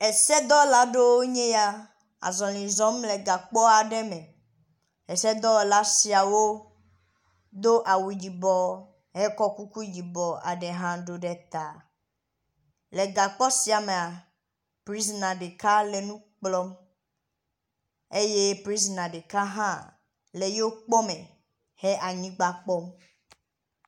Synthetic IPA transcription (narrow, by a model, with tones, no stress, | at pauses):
e˨sɛ˦d̪ɔ˦la˨ɖe˦wo˦ɲẽ˦ja˦ | a̰˨zɔ̃˨lĩ˨zɔ̃˦mle˨ɡa˨k͡pɔ˦a˨ɖɛ˦me˨ | ɦe˨sɛ˦d̪ɔ˦la˦si˨a˨wo˦ | d̪o˦ʔa˨wu˨d͡ʑi˨bɔ˨ | ɦe˦kɔ˦ku˦ku˦d͡ʑi˨bɔ˨a̰˨ɖe˨ɦã˦ɖo˨ɖɛ˨t̪a˨ | le˨ɡa˨k͡pɔ˦si˨a˨me˨a˨ | pɾi˦s̬nã˨ɖe˨ka˦le˨nũ˦k͡plɔ˦m | e˦je˦pɾi˦s̬nã˨ɖe˨ka˦ɦã˦ | le˨jo˦o˦k͡pɔ˦mẽ˨ | he˦ʔa˨ɲĩ˦ɡ͡ba˨k͡pɔ˦m